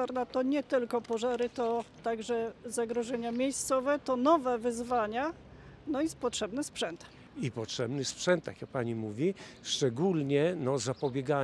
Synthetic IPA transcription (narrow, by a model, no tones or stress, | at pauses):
aɾnat̪ɔɲɛt̪ɘlkɔpɔʐaɾɘt̪ɔt̪aɡʐɛzaɡɾɔʐɛɲamʲjejst̪sɔvɛt̪ɔnɔvɛvɘzvaɲa | nɔispɔtʂɛbnɘspʂɛnt̪ | ipɔtʂɛbnɘspʂɛnt̪ːakʲjak̚paɲimuvʲiʂt͡ʂɛɡulɲɛnɔzapɔbʲjɛɡa